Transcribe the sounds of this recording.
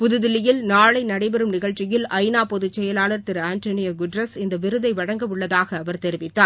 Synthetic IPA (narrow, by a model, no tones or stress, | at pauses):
pʊðɯðɪlːɪjɪlnaːɭɐɪnɐɽɐɪbɛɾɯmnɪɣɐɻt͡ʃːɪjɪlɐɪnaːpɔðɯt͡ʃːɛjɐlaːɭɐɾt̪ɪɾaːnʈonɪjɐɡʊɖɾɐsɪnd̪ɐʋɪɾɯðɐɪʋɐɽɐŋɡɐmɯɭːɐðaːɣɐːʋɐɾt̪ɛɾɪʋɪt̪ːaː